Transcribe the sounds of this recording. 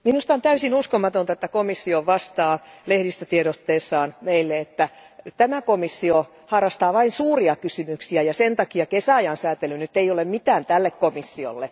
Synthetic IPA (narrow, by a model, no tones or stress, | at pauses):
minust̪ɑont̪æysinuskomɑt̪ont̪ɑet̪ːækomisːioʋɑst̪ɑːlehɾist̪æt̪ieɾot̪ːeːsːɑːnmeilːeet̪ːæt̪æmækomisːio | hɑrːɑst̪ɑːʋɑinsuːriɑkysymyksiæjɑsent̪ɑkiɑkesæɑjɑnsæːt̪elynyt̪ːeijolemmit̪æːnt̪ælːekkomisːio̰lːe